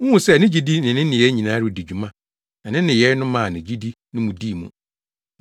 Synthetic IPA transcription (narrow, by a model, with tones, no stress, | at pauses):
ŋ̩˦ũ˨sɛ˦˨nɪ̃˦d͡ʑi˦di˦nɪ̃˨nɪ̃˦nɪ̃˨jɛ˦ɲĩ˨nã˦ɾɪ˦˨di˨d͡ʑu˨mã˦ | nã˨nɪ̃˦nɪ̃˨jɛ˨˦ɾnʊ̃˦mã˨nɪ̃˨d͡ʑi˦di˦nɪ̃˦mũ˨di˦˨mṵ̃˨